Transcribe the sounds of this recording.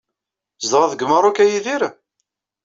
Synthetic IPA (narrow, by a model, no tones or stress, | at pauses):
zd̪ʁaðɡəməɾˤokæjiðiɾa